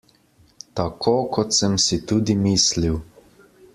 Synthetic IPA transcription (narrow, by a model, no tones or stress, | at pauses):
t̪akʰoːkɔt̪səmsit̪uːd̪imiːsliw